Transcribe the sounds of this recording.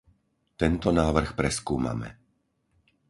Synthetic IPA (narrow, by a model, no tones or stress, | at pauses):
t̪ɛnt̪ɔnaːʋr̩xpɾɛskuːma̰mɛ̰